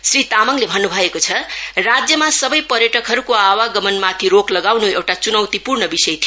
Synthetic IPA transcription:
srit̪amʌŋlebʱʌnːubʱʌekot͡sʰʌrad͡zjʌmasʌbʌjpʌɾjʌʈʌkɦʌɾukoawaɡʌmʌnmat̪ʰiɾoklʌɡawnuewʈat͡sunʌwt̪ipurɳʌbisʌjt̪ʰijo

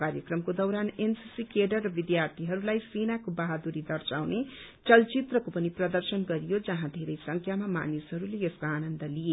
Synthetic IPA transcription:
kaɾjʌkrʌmkod̪ʌwɾanensisikeɖʌrːʌbid̪jart̪ʰiɦʌɾulajsenakobaɦad̪uɾid̪ʌrt͡sawne | t͡sʌlt͡sit̪rʌkopʌniprʌd̪ʌrsʌnɡʌɾijod͡zʌɦãd̪ʱeɾʌjsʌŋkʰjamama̰nisɦʌɾuleeskoanʌnd̪ʌlije

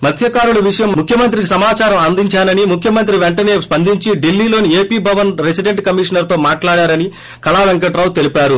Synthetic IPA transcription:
mɐt̪ʰjɐkaːɾuɭɐʋiʂɐjɐmmukʰjɐmɐnt̪ɾikisɐmaːt͡ʃaːɾɐmɐnd̪iɲt͡ʃaːnɐnimukʰjɐmɐnt̪ɾiʋeɳʈɐne̞ːspɐnd̪iɲt͡ʃiɖilːiːlo̞ːnieːpiːbʱɐʋɐnɾesiɖe̞ɳʈkɐmiːʂɐnɐɾt̪o̞ːmaːʈlaːɽaːɾɐni | kɐlaːʋɐŋkɐʈɾaːwt̪e̞lipaːɾu

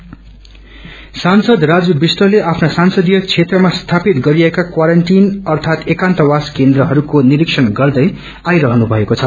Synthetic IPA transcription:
sansʌd̪rad͡zubisʈʌleʔapʰnasansʌd̪ijʌt͡sʰet̪rʌmast̪ʰapit̪ɡʌɾiekakwaɾʌɳʈinʌrt̪ʰat̪ekãnt̪ʌwaskend̪ɾʌɦʌɾukoniɾiksʰʌnɡʌrd̪ʌj | ajɾʌɦʌnubʱʌekot͡sʰʌ

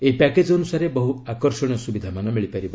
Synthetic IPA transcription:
eipaked͡ʒɔnusaɾebɔɦuakɔɾsɔɽ̃jɔsubid̪ʱamanɔmiɭipaɾib

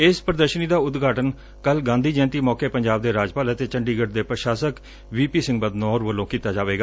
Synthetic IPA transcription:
ɪspɾəd̪əɾʃəniːd̪aːʊd̪ɡʱaːʈən | kəlɡãːnd̪iːd͡ʒɛ̃ːnt̪iːmɔːkeːpəɲd͡ʒaːb̚d̪eːɾaːd͡ʒpaːlət̪eːt͡ʃəɳɖiːɡəɖ̚d̪eːpɾəʃaːsək | ʋiːpiːsɪ̃ŋɡ̚bəd̪nɔːɾʋəlːõːkiːt̪aːd͡ʒaːʋeːɡaː

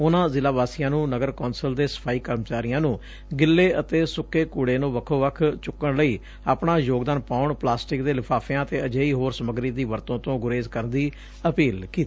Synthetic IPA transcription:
ʊnãːzɪlaːbaːsɪjãːnũːnəɡəɾkɔːnsəld̪eːsə̥pʰaːiːkəɾmt͡ʃaːɾɪjãːnũː | ɡɪlːeːʔət̪eːsʊkːeːkuːɽeːnũːʋəkʰːõːʋəkʰt͡ʃʊkːəɳləiː | aːpɳaːjoːɡd̪aːnpaːʊɳplaːsʈɪk̚d̪eːlɪpʰaːpʰjãːət̪eːəd͡ʒeːiːɦoːɾsəməɡɾiːd̪iːʋəɾt̪õːt̪õːɡʊɾeːzkəɾnd̪iː | əpiːlkiːt̪i

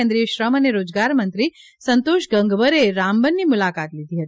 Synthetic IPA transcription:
ɛ̃nd̪ɾieʃɾəməneɾod͡ʒɡaɾmənt̪ɾi | sənt̪oʃɡəŋɡʋəɾeɾambənːimʊlakat̪lid̪ʱiɦət̪ii

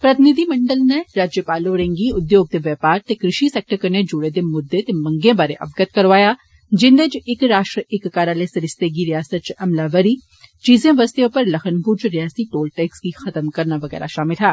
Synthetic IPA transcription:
pɾɐt̪ɪnɪd̪ʱimɐ̃ɳɖəlneɾaːd͡ʒjəpaːloɾẽŋɡiʊd̪joːɡ̚t̪eʋjɛːpaːɾt̪ekɾɪʃiseːk̚ʈəɾkɐɾned͡ʒʊɽed̪emʊd̪ːet̪emɐ̃ŋɡẽbaːɾeʔɐ̰bɡət̪̚kɐɾʋaːja | d͡ʒɪnd̪et͡ʃɪkɾaːʃʈɾəɪkːaːɾaːlesɐɾɪst̪eɡiɾijaːsət̪̚t͡ʃɐmlaːʋɐɾi | t͡ʃiːzẽʋɐst̪jõpɐɾlɐxənpuɾt͡ʃɾɪjaːsiʈoːlʈeːkskixɐt̪əmkɐɾnaʋɐɣɛ̰ːɾa̰ʃaːmɪlaː

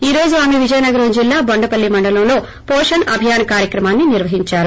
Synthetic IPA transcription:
iːɾo̞ːd͡ʒuaːmeʋid͡ʒɐjnɐɡɐɾud͡ʒilːaːbɐɳɖɐpɐlːimɐɳɖɐlɐmlo̞ː | poːʂɐnɐbʱijaːnɐkaːɾjɐkɾɐmaːnːiniɾʋɐɦiɲt͡ʃaːɾu

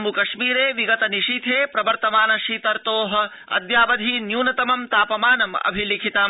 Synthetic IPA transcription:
mukɐʂmiːɾeːʋiɡɐt̪ɐniʂit̪ʰeːpɾɐbɐɾt̪ɐmaːnɐʃiːt̪ɐɾt̪oːɦɐ̆ | ɐ̰d̪jaːʋɐd̪ʱiːnjuːnɐt̪ɐmɐmt̪aːpɐmaːnɐmɐ̰bʱilikʰit̪aː

